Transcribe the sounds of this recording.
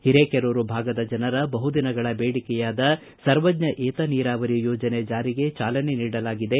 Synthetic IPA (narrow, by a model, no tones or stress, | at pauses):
hiɾeːkeɾoːɾubʱaːɡɐd̪ɐd͡ʒɐnɐɾɐbɐɦud̪inɐɡɐɭɐbeːɽikɛjaːd̪ɐ | sɐɾʋɐdɲɐʔeːt̪ɐniːɾaːʋɐɾijoːd͡ʒɐne̞d͡ʒaːɾiɡe̞t͡ʃaːlɐne̞niːɽɐlaːɡid̪e̞